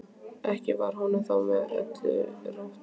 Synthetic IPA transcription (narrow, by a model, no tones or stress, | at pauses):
ɛhcɪvaɾ̥hɔnːʏθawvɛɾɛ̰t̪ʏ̰raf